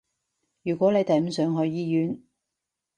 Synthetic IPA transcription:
jyː˨˩kʷɔː˨˥ne˨˧jt̪ɐ˨jm̩˨˥sœː˨˥ŋɦɔː˨˧˥jjiː˥jyː˨˥n

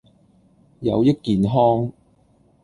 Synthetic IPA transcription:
jɐ̰˨˧wjɐ˥t̚kiː˨nɦɔː˥ŋ

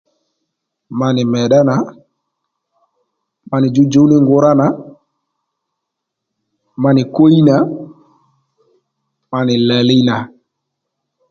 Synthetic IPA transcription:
ma˨ni˨mɛ˨ɗa˦na˨ | ma˨ni˨d͡ʒu˦d͡ʒu˦ni˦ŋɡu˦ɾa˦na˨˦ | ma˨ni˨ko˦i˦na˨˦ | ma˨ni˨la˨li˦na˨

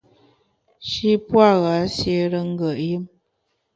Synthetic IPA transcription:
ʃi˦pwa˦˨ɣa˨˦sje˦ɾə˦ŋ̩˦ɡə˨ʔjə˦m

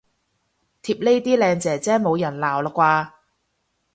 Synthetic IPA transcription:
t̪ʰiː˧p̚le˥jt̪iː˥lɛː˧ŋt͡sɛː˨˩t͡sɛː˥mo˨˧wjɐ˨˩nlaː˨˩wlaː˨˩kʷwaː˧

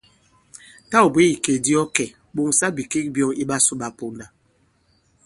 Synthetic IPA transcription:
ta˦u˨be˦i˨ke˨di˦ɔ˦kɛ˨ | ɓo˦ŋsa˦bi˨ke˦k̚bjɔ˦i˦ɓa˦su˦ɓa˨po˨nda˨

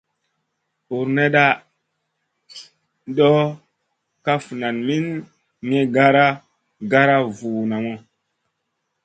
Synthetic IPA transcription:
u˨ɾne˦ɗa˦ | dɔ˦ | ka˦fu˨na˨nmi˦n | ŋe˦ɡa˦ɾa˦ | ɡa˦ɾa˦vuː˨na˨mo˦

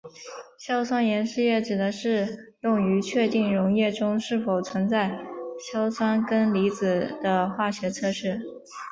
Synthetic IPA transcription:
ɕjɑ˥ʊsʰwa˥njɛ˧˥nʂɻ̩˥˧jɛ˥˩ʈ͡ʂɻ̩˨˩d̪ə˧˦ʂɻ̩˥˧jʊ˥˩ŋy˧˥t͡ɕʰɥɛ˥˧t̪i˥˩ŋɻʊ˧˥ŋjɛ˥˩ʈ͡ʂʊ˥ŋʂɻ̩˥˩fo˨˩ʊt͡sʰwə˧˥nt͡sa˥˩ɪɕjɑ˥ʊsʰwa˥nkə˥nli˧˥t͡sɹ̩˨˩d̪̥ə˦xwa˥˩ɕɥɛ˧˥t͡sʰɤ˥˧ʂɻ̩˥˩

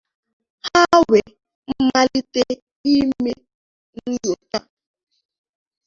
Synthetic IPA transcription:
ha˦we˨ | m̩˦ma˦li˦te˦ | i˦me˦ | n̩˦zo˨ta˦

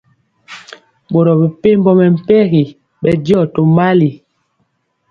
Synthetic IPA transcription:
bo˨ɾɔ˨be˨pe˦m˦bɔ˦mɛ˨m̩˨pɛ˦ɣi˨ | ɓɛ˦djɔ˦˨to˨ma˦li˨

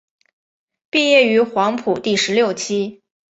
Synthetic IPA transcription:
pi˥˧jɛ˥˩y˧˥xwɑ˧˥ŋpʰu˨˩t̪i˥˩ʂɻ̩˧˥ljo˥˩ʊt͡ɕʰi˥

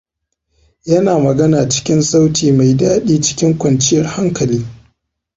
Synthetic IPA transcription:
jɐ˦naː˨mɐ˨ɡɐ˦naː˨t͡ʃɪ̥˦kʲɪ˦nsa˦wtiː˨ma˨jdaː˦ɗiː˦t͡ʃɪ̥˦kʲɪ˦ŋkʷɐ˨nt͡ʃɪ˦jɐ˦rha˦ŋkɐ˨liː˦

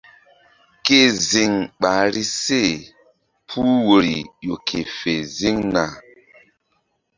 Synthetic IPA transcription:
ke˦˨zi˨ŋɓa˨ɾi˦se˦˨ | pʰu˦wo˨ɾḭ˨jo˨kʰe˨fe˨zi˦ŋna˨

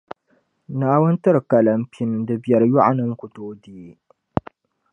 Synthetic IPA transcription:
naː˦wʊ˦ntɨ˦ɾkɐ˨lɐ˦mpʰɪ˦n˨dɨ˦bɛ˨ɾjʊ˦ʔa̰˨nɨ˦ŋkʷʊ˨toː˦di˨˦

